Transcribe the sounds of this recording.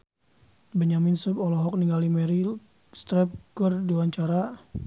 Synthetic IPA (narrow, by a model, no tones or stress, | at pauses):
bəɲaminsəpɔlɔɦɔk̚niŋɡalimɛɾi | st̪ɾɛp̚kɔrdiwaɲt͡ʃaɾa